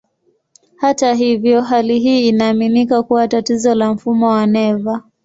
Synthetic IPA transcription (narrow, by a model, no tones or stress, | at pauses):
hataɦivjɔɦaliɦiːnaːminikakuwatatizɔlam̩fumɔwanɛva